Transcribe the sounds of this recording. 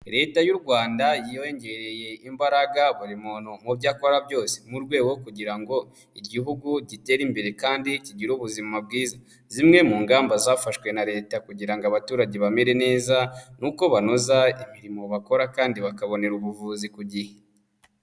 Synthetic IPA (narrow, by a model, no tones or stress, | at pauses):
ɾe̞ːtajuɾɡwaːndajioeɲɟe̞ɾe̞je̞imbaɾaɡaβuɾimonomubɟaːko̞ɾabɟo̞ːse̥muɾɡwe̞ːɡo̞kuɟiɾaŋɡo̞ | iɟiɦuɡuɟite̞ːɾimbe̞ɾe̞kaːndiciɟiɾuːβuzimab̚ɡiːza | zimŋe̞muːŋɡaːmbazaːfaʃwe̞naɾe̞ːtakuɟiɾaŋɡoaβatuːɾaɟe̞βame̞ɾe̞ne̞ːzanuko̞βano̞zaimiɾimo̞βako̞ɾakaːndiβakaβo̞ne̞ɾuβuvuːzikuɟihe